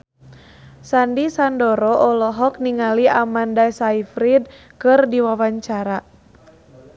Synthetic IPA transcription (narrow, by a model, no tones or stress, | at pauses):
sandisandɔɾɔʔɔlɔɦɔk̚niŋaliamandasaifɾid̚ | kɨrdiwawaɲt͡ʃaɾa